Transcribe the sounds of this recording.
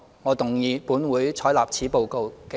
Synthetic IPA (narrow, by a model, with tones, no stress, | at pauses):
ŋɔː˨˧t̪ʊ˨˩ŋjiː˨˧puː˨˥nwuː˨˥jt͡sʰɔː˨˥jlaː˨p̚t͡sʰiː˨˥po˨˧wko˨˧wke˨